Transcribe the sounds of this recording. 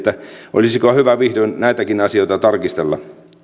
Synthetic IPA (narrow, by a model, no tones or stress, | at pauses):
t̪ːæʔo̰lisikohyʋæʋihdonnæit̪ækinɑsioˑit̪ɑt̪ɑrkist̪elːɑ̰